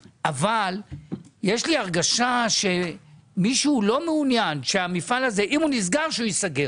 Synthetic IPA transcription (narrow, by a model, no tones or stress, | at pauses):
ʔavaljeʃliaʁɡaʃaʃe̞miʃuːlo̞meunjanʃeamifalaze̞ʔimhunis̬ɡaʁʃeujisaɡe